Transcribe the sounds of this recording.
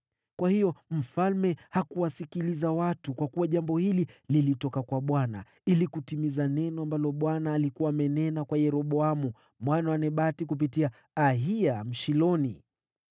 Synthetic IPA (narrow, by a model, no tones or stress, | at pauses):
kwahijɔm̩falmɛhakuwasikilizawatukwakuwaʄambɔhilililitɔkakwaɓwana̰ | ilikutimizanɛnɔambalɔɓwanaːlikuwaːmɛnɛnakwajɛɾɔɓɔamu | mwanawanɛɓatikup̬itiaː | ɦiam̩ʃilɔnḭ